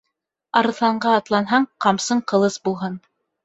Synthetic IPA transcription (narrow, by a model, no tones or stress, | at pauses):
ɑɾɤ̆θlˠɑɴɢɑːt̪lˠɑnɦɑɴqɑmsɤɴqɤ̆lˠɤsbulˠɦɤn